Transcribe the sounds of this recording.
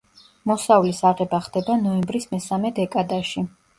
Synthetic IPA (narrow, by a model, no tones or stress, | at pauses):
mɔsavlisaʁɛbaχd̪ɛbanɔɛmbɾismɛsamɛd̪ɛkʼad̪aʃi